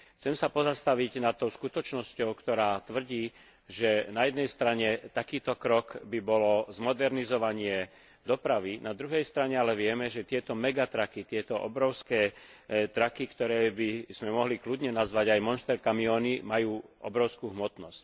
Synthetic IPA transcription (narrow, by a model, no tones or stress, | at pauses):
t͡sɛmsapɔzast̪aʋiɟnat̪ːɔʊskut̪ɔt͡ʃnɔscɔʊkt̪ɔɾaːt̪ʋr̩ɟiː | ʒɛnajɛd̪nɛjst̪ɾaɲɛt̪akiːt̪ɔkɾɔkbibɔlɔzmɔd̪ɛɾnizɔʋaɲɪɛ | d̪ɔpɾaʋinad̪ɾuɦɛjst̪ɾaɲɛalɛʋɪɛmɛʒɛt̪ɪɛt̪ɔmɛɡat̪ɾakit̪ɪɛt̪ɔʔɔbɾɔʊskɛːt̪ɾakikt̪ɔɾɛːbiz̥mɛmɔɦliklud̪ɲɛnazʋaɟajmɔnst̪ɛɾkamiɔːnimajuːʔɔ̰bɾɔʊskuːɦmɔt̪nɔsc